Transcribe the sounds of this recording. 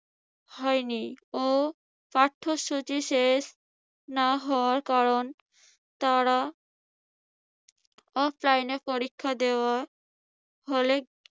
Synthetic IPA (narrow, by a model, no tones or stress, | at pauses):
hɔjnio | paʈʰːoʃut͡ɕiʃeʃ | naɦɔoaɾkaɾon | t̪aɾa | ɔflajnepoɾikʰːad̪eoa | ɦole